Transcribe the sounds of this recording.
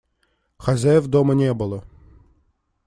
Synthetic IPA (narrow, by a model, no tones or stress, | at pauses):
xɐzʲɛvd̪ɔmɐnʲɛbʊlˠɔ